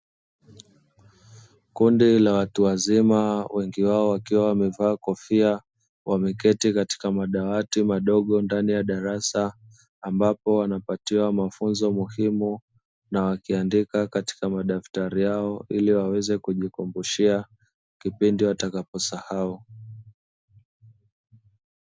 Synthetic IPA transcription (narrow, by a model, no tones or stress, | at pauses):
kundilawatuwazimawɛŋɡiwaɔwakiwawamɛvaːkɔfia | wʔamɛkɛtikati̥kamaɗawatimaɗɔɠɔndanijaɗaɾasaː | mbapɔwanapatiwamafunzɔmuhimu | nawakiandikakati̥kamaɗaftaɾijaɔiliwawɛzɛkuʄikɔmbuʃia | kipindiwatakapɔsahau